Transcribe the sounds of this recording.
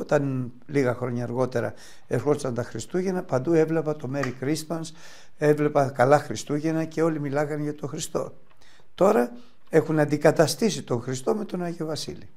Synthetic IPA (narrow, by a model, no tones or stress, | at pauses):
ot̪ɐn | liɣɐxɾo̞ɲɐːɾɣo̞t̪e̞ɾɐ̰ | eɾxolisɐnt̪ɐxɾist̪uʝe̞nɐpɐnd̪ue̞vle̞pɐt̪o̞me̞ɾikɾisɐns | e̞vle̞pɐkɐlɐxɾist̪uʝe̞nɐce̞o̞limilɐɣɐnʝɐt̪o̞xɾist̪o̞̰ | t̪o̞ɾɐ | e̞xunɐnd̪ikɐt̪ɐst̪isit̪o̞ŋxɾist̪o̞met̪o̞nɐʝeovɐsḭli